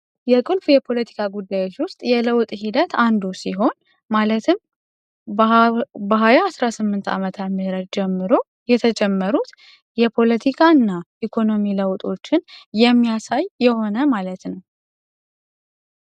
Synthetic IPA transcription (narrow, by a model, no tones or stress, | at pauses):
jɛkʼɨlfjɛpʰo̞lət̪ʰi̥kʰaɡud̪ːajot͡ʃːwʊst̪ʼjɛləwt̪ʼhid̪ət̪ʰand̪usiɦo̞n | malət̪ʰɨm | bəɦajaːsɾasɨmːɨnt̪ʰa̰mət̪ʰat̪mɨhɾəd̪̚d͡ʒɛmːɨɾo̞ | jɛt̪ʰəd͡ʒʼɛmːəɾut̪ | jɛpʰo̞lət̪ʰikʰaɨnːaʔikʰo̞no̞miləwt̪ʼo̞t͡ʃːɪnjɛmːijasajːɛho̞nəmalət̪nəw